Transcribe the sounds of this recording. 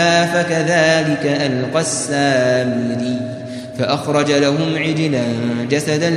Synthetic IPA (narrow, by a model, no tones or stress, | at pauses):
afakaðaːlɪkaʔalqɑsːaːmɪɾiː | faʔaxɾˤɑd͡ʒalaɦʊmʕɪd͡ʒlad͡ʒasad̪a